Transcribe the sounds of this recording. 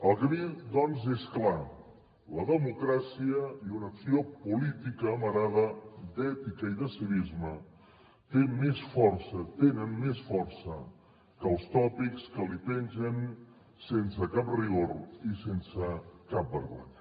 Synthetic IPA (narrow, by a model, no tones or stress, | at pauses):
əlˠɣɾid̪ɔnzeskla | ləðəmukɾasiəiunəksiopulit̪ikəːməɾaðəd̪ɛt̪ikəiðəsiβizmə | t̪emesfɔɾsət̪enənmesfɔɾsə | kəlˠst̪ɔpikskəlipɛnzən | sensəkap̚riɣoɾisensəkap̚bəɾða̰n